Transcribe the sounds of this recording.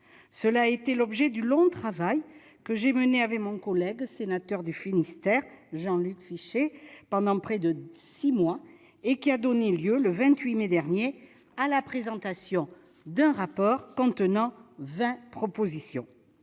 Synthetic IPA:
səlaet̪elɔbʒɛd̪ylɔ̃t̪χavaj | kəʒeməneavɛkmɔ̃kɔlɛɡsenat̪œʁd̪yfinist̪ɛʁʒɑ̃lykfiʃepɑ̃d̪ɑ̃pχɛd̪əsimwa | ekʲiad̪ɔneljøləvɛ̃t̪ɥimed̪ɛʁnje | alapχezɑ̃t̪asjɔ̃ | d̪ɛ̃ʁapɔʁkɔ̃t̪ənɑ̃vɛ̃pχɔpozisjɔ̰̃

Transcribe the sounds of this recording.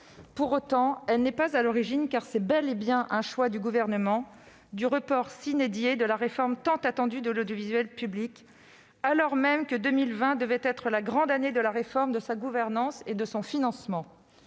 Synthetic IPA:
puʁot̪ɑ̃ɛlnɛpazalɔʁiʒinkaʁsɛbɛlebjɛ̃ʔɛ̃ʃwad̪yɡuvɛʁnəmɑ̃ | d̪yʁəpɔʁsined̪jed̪əlaʁefɔʁmt̪ɑ̃t̪at̪ɑ̃d̪yd̪əlod̪jovizɥɛlpyblik | alɔʁmɛmkəd̪ømilvɛ̃d̪əvɛt̪ɛt̪χəlaɡʁɑ̃d̪aned̪əlaʁefɔʁmd̪əsaɡuvɛʁnɑ̃sed̪əsɔ̃finɑ̃smɑ̃

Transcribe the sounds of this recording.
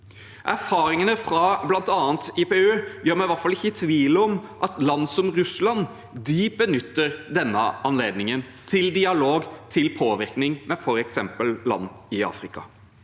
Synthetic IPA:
ʔæɾfɑːɾɪŋənəfɾɑblɑnt̪ɑːnt̪ɪpɛøːjøːɾmɛʋæɾt̪fɑlɪçːəɪt̪ʰʋiːləɔmʔɑt̪lɑnːsɔmɾʉslɑn | d̪ɪbənʏt̪ːəɾd̪ɛnːəɑnleːd̪nɪŋən | t̪ʰɪld̪ɪɑloːɡt̪ʰɪlpʰoːʋɪɾknɪŋmɛfɔɾɛksɛmpəllɑ̰nːɪɑ̰ːfɾɪkɑ̰

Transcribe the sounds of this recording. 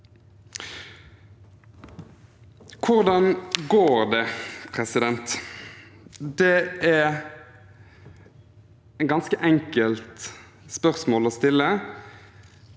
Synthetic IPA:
kʰʊʁd̪ɑnɡoːɾd̪ɛpʰʁɛsɪd̪ɛnt̪ | d̪ɛæ | æɡɑnskəʔɛŋkəlt̪ | spœʁsmoːloːst̪ɪlːə

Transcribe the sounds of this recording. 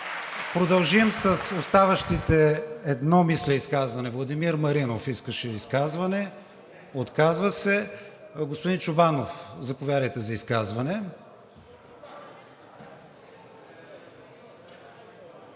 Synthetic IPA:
pɾod̪ɐlˠʒimsɐsost̪avəʃt̪it̪ɛɛd̪nɔmislɛiskazvɐnɛvlˠɐd̪imiɾmɐɾinofiskəʃɛiskazvɐnɛ | ot̪kazvəsɛɡospʊd̪int͡ʃʊbanofzɐpovjaɾəjt̪ɛzɐiskazvɐnɛ

